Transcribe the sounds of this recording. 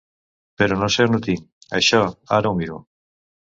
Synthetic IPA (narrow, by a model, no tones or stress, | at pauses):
peɾonosenut̪iŋa̰jʃɔa̰ɾaumbiɾo̰